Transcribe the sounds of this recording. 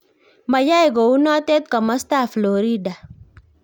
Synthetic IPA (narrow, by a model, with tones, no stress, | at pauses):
ma˨ja˦i˨ɡo˨u˦nɔ˦tɛ˦t̪ka˨ma˦sta˦˨flo˨ɾi˦da˨